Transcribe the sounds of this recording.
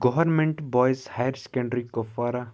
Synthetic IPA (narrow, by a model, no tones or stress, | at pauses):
ɡɔʋɐɾmẽɳʈbɔːjshajəɾse̥kẽɳɖɾikɔfaːɾa